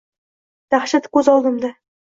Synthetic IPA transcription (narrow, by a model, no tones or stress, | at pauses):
d̪̥aχʃat̪kʰʲɵzɒlˠd̪əmd̪ɑ